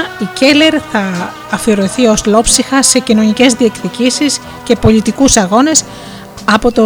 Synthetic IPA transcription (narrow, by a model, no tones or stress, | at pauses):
ice̞le̞ɾθɐː | fioɾoθio̞zlo̞psixɐse̞cino̞nice̞zðie̞kt̪icisis | ce̞po̞lit̪ikusɐɣo̞ne̞s | ɐpo̞t̪o